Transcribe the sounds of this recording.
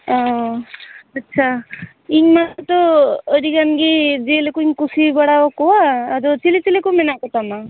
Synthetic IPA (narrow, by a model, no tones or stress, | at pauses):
a | ɐtːʃʰa | iŋmat̪oəɾiɡanɡid͡ʒelekuiŋkusibɐɽaokoaːd̪ot͡ʃilit͡ʃilekumenakot̪ama